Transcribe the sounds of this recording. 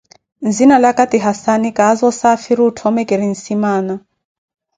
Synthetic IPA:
nd͡zinalakatiɦasanikaːzɔsafiɾiutʰɔmɛkɛɾin̩simaːna

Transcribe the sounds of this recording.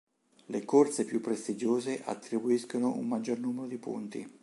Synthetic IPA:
lekort̪sepjupːɾest̪id͡ʒoːzeʔa̰t̪ːɾibuiskonoʔṵmːad͡ʒːornuːmeɾod̪ipṵnt̪ḭ

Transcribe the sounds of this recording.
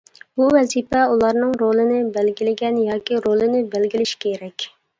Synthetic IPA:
b̥uvɛzipɛulˠɑɾnɨŋɾolˠɨnɪbɛlɡʲilɪɡʲɛnjɑːkʲiɾolˠɨnɪbælɡʲilɪʃkʲʰeɾɛkʲ

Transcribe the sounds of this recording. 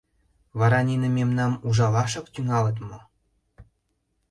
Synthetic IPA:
βɑɾɑnʲenĕmemnɑmuʒɑlɑʃɤ̆kt̪yŋɑlə̆t̪mŏ

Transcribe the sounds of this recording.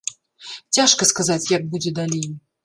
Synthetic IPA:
t͡sʲaʂkɐskazat͡sʲjaɡ̚bud͡zʲɛd̪alʲej

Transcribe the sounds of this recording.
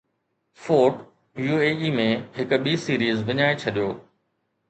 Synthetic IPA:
foːʈ | juːeːiːmẽɦɪkɓiːsiːɾiːzʋɪɲaːet͡ɕʰɐɗijoː

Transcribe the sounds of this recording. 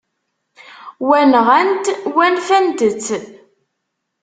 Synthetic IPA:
wænʁænt̪wænfænd̪ət͡sː

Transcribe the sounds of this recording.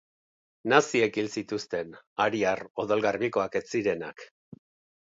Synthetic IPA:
nasie̞kilsit̪ust̪e̞naɾiaro̞ðolɣarβiko̞ake̞t͡siɾe̞nak

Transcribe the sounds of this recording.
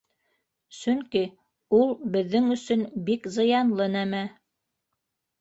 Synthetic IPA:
sɵŋki | ulˠbɘ̆ðːɘŋɵ̆sɵnbikzɤ̆jɑnlˠɤnæmæ

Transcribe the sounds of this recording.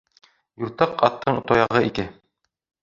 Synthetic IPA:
juɾt̪ɑqɑt̪ːɤɴŭt̪ɑjɑʁɤikɘ

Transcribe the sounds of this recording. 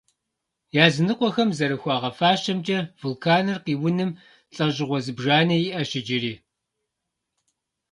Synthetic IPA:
jaːzɨnɨqʷɔxɐmzɐɾɨxʷɑːʁɐfaːʃɐmt͡ʃʼɐvʊlkʰaːnɨrqiːwʊnɨm | ɬʼɐʑɪʁʷɔzɨbʒaːnɐjiʔɐʃɪd͡ʒɪɾiː

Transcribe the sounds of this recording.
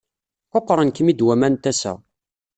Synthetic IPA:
qoqːɾˤənkəmid̪wæmænt̪æsæ̰

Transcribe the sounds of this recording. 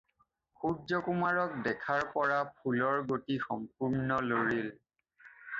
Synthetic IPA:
xuzɔkumaɹɔk̚dɛkʰaɹpɔɹapʰulɔɹɡotixɔmpuɹnɔloɹil

